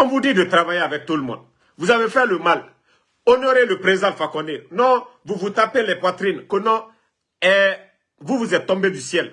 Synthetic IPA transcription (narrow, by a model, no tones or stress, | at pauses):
ɔ̃vud̪id̪ət̪ɾavajeavɛk̚t̪uləmɔ̰̃d̪̚ | vuzavefɛləmal | onoɾeləpɾezãlfakɔ̃d̪enɔ̃vuvut̪apelɛpwat̪ɾinkonɔ̃ | ɛ | vuvuzɛt̪̚t̪ːɔ̃mbed̪ysjɛl